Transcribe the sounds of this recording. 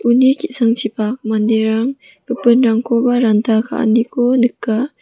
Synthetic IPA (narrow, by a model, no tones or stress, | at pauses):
unikiʔsaŋt͡ʃipak̚mandeɾaŋ | kəpənɾaŋkobaɾant̪akʰa̰ʔa̰nikʰonəkːa